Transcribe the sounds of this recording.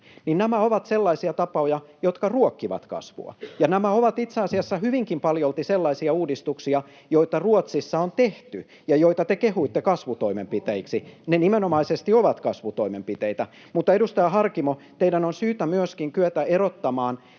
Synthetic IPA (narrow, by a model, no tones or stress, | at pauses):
ninnæmæoʋɑt̪selːɑisiɑt̪ɑpɑojɑjot̪kɑruokːiʋɑ̰t̪kɑ̰sʋṵɑ̰jɑnæmæoʋɑt̪it̪seɑsiɑsːɑhyʋiŋkimpɑljolt̪iselːɑisiɑuːdist̪uksiɑ | joit̪ɑruot̪sisːɑont̪eht̪y | jɑjoit̪ɑt̪ekehuit̪ːekɑsʋut̪oimempit̪eiksinenimenomɑisest̪ioʋɑt̪kɑsʋut̪oimempit̪eit̪æ | mut̪ːɑedust̪ɑjɑhɑrkimot̪eidænonsyːt̪æmyøskiŋkyøt̪æerot̪ːɑmɑːn